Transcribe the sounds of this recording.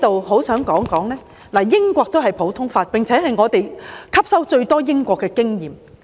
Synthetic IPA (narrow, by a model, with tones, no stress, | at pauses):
t̪o˨wɦo˨˥wsœː˨˥ŋkɔː˨˥ŋkɔː˨˥ŋlɛː˥ | laː˨˩jɪ˥ŋkʷɔː˧k̚t̪o˥wɦɐ˨jpʰo˨˥wt̪ʰʊ˥ŋfaː˧t̚pɪ˨ŋt͡sʰɛː˨˥ɦɐ˨jŋɔː˨˧t̪e˨jkʰɐ˥p̚sɐ˥wt͡ʃɵ˧ɥt̪ɔː˥jɪ˥ŋkʷɔː˧kːɛː˧kɪ˥ŋjiː˨˩m